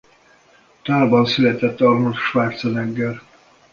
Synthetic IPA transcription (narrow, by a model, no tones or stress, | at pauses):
t̪aːlbɒnsylɛt̪ɛt̪ːɒrmut̪ʃʋaːt̪sɒd̪ɛŋɡɛr